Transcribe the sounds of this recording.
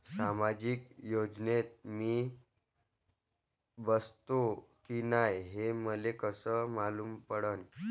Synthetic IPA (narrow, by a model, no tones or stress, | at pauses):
samad͡ʑikjod͡ʑnet̪̚miː | bəst̪okinajɦeməlekəsəːmaluːmpəɽən